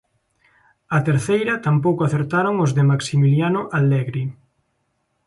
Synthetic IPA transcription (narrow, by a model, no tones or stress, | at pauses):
ɐt̪eɾθejɾɐt̪ampowkʊaθeɾt̪aɾoŋozðɪmaksimiljanoʔalɛɣɾi